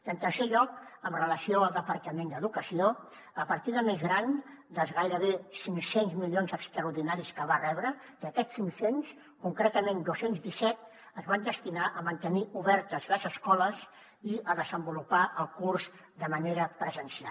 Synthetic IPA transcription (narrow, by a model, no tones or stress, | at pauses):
ənt̪ərseʎɔk̚əmrələsioəlˠd̪əpəɾkəmend̪əðukəsio | əpəɾt̪iðəmezɣɾan | d̪əlˠzɣajɾəβesiŋsenzmilionzəkst̪ɾəuɾðinaɾiskəβ̞arɛβɾə | kəkɛsiŋsens | kuŋkɾet̪əmẽnd̪osenzðisɛt̪̚ | əzβand̪əst̪inaʔəmənt̪əniʔuβɛɾt̪əzləzəskɔləs | iəðəzəmbulupaʔəlˠkurz | d̪əməneɾəpɾəzənsia